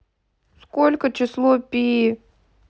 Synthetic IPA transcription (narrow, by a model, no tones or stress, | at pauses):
skolʲkət͡ɕɪslˠopʲi